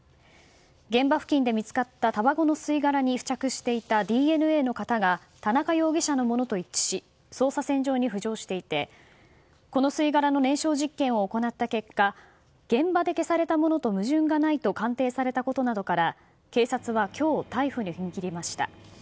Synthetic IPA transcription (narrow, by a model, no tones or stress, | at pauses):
ɡẽ̞mbaɸɯ̟̥kʲĩnd̪e̞mʲit͡sɨ̥kat̪ːat̪abaɡo̞no̞sɨiɡaɾaɲ̟iɸɯ̟̥t͡ɕakɯ̟ɕi̥t̪e̞it̪ad̪ʲiːe̞nɯ̟e̞ːno̞kat̪aɡa | t̪anakajo̞ːɡʲiɕano̞mo̞no̞t̪o̞it͡ɕɕi | so̞ːsasẽ̞ɲ̟d͡ʑo̞ːɲ̟iɸɯ̟ʑo̞ːɕi̥t̪e̞it̪e̞ | ko̞no̞sɨiɡaɾano̞nẽ̞ɰ̃ɕo̞ːʑikːẽ̞ɰ̃o̞ːko̞nat̪ːake̞kːa | ɡ̥ẽ̞mbad̪e̞ke̞saɾe̞t̪amo̞no̞t̪o̞mɯ̟ʑɨ̃ŋɡanait̪o̞kãnt̪e̞ːsaɾe̞t̪ako̞t̪o̞nad̪o̞kaɾa | ke̞ːsat͡sɨβ̞akʲo̞ːt̪aiɸɯ̟ɲ̟içiŋikʲiɾʲimaɕi̥t̪a̰